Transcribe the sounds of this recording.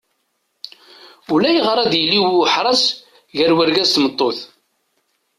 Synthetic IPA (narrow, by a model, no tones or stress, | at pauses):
ulæjʁɾˤɑd̪jəlːiwħɾˤɑs | ʝəɾwəɾɡæst̪mət̪ˤːoθ